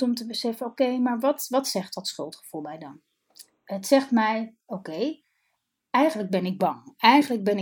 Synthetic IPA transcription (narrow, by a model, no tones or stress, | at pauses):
ɔmtəbəsɛfənowkejmaːɹʋɑtʋɑtsɛχtɑtsχɵlˠtχə̥v̥ulˠmɛjdɑn | ɦətsɛχtmɛj | owkej | ɛjχənləɡ̚bɛnɪɡ̚bɑŋɛjχənləɡ̚bɛnɪ